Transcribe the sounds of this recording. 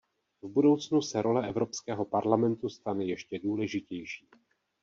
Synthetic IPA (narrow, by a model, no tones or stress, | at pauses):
vbudo̞wt͡snusɛɾʔo̞lɛʔɛvɾo̞pskɛːɦo̞paɾlamɛnt̪ust̪anɛjɛʃcɛduːlɛʒɪcɛjʃiː